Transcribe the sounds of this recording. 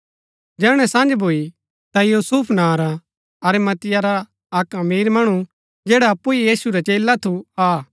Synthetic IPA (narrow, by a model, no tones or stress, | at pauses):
d͡ʒɛːɽ̃ɛ̃sãːnd͡ʒbʱoːi | t̪ajuːsuːpʰnaːɾa | ɐɾɛmɐt̪ɪjaɾa | ɐkɐmiːɾmɐɽ̃u | d͡ʒɛːɽaɐpːuijiːsuɾat͡ʃeːlat̪ʰuaː